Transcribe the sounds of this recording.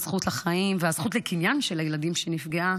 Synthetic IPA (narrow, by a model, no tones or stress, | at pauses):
z̥χutlaχaimveaz̥χutlekinjanʃelajeladimʃenifɡea